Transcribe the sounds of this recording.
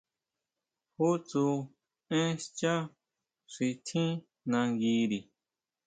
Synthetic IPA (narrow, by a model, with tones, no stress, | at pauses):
hu˦t͡su˧ | ẽ˦st͡ʃã˦ | ʂi˧t̪ʰĩ˦ | nã˧ɡi˧ɾi˨